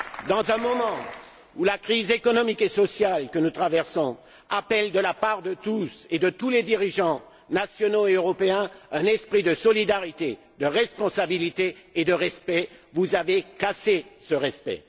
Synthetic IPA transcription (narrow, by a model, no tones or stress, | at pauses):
d̪ɑ̃zɛ̃mɔmɑ̃ | ulakχizekɔnɔmikesɔsjalkənut̪χavɛʁsɔ̃ | apɛld̪əlapaʁd̪ət̪used̪ət̪uled̪iʁiʒɑ̃ | nasjɔnoeøʁɔpeɛ̃ɛ̃nɛspχid̪əsɔlid̪aʁit̪e | d̪əʁɛspɔ̃sabilit̪eːd̪əʁɛspɛvuzavekasesəʁɛspɛ̰